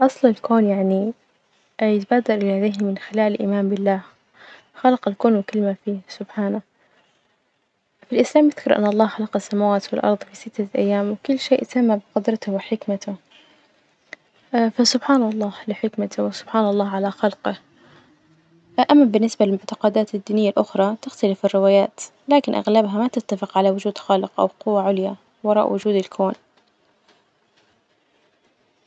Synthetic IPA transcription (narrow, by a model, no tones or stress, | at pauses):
ʔɑsˤlɑlkʰoːnjaʕni | jɪt̪abaːd̪ɑɾˤʔɪhad̪eːhmɪnxɪlaːlɪlʔḭːmaːmbɪlːaːh | xɑlqɑlkoːnwɪkʊlːmafiːsʊbħaːna | filʔɪslaːmjɪθkʊɾˤʔɪ̰nːʔɑlˤːɑːhxɑlɑqɑsːamawaːt̪wɪlʔɑ̰ɾˤðˤfisɪt̪ːaʔa̰jːaːmwɪkʊlːʃeːʔt̪amːabɪqʊd̪ɾˤɑt̪ʊwɪħɪkmat̪ʊ | fasʊbħaːnɑlˤːɑːlɪħɪkmat̪ʊwɪsʊb̥ħaːnɑlˤːɑːɦʕalaxalqɪ | ʔamːabɪnːɪsbalɪlmʊʕt̪ɑ̥qɑd̪aːt̪ɪd̪ːiːnɪjːalʔʊxɾˤɑt̪ɪxt̪alɪfɪrːɪwaːjaːt̪ | laːkɪnʔa̰ɣlabɦamat̪ɪt̪ːafɪqʕalawʊd͡ʒuːd̪xalɪqʔa̰wqʊwːaʕʊlja | wɑɾˤɑ̰ʔwʊd͡ʒuːd̪ɪlkʰoːn